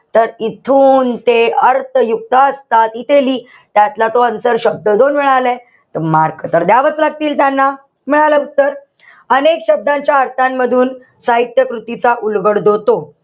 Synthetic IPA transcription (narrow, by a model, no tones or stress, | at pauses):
t̪əɾit̪ʰuːnt̪eəɾt̪ʰəjuk̚t̪əəst̪at̪it̪eliː | t̪jat̪lat̪oənsəɾɕəb̚d̪əd̪onmiɭalɛ | t̪əmaɾkət̪əɾd̪jaʋət͡slaɡ̚t̪iːlt̪janːa | miɭalət̪əɾ | ənekɕəb̚d̪ãɲt͡ɕjaəɾt̪ʰãmːəd̪ʱuːn | saɦit̪jəkɾut̪it͡saʔulɡəɽd̪ʱot̪o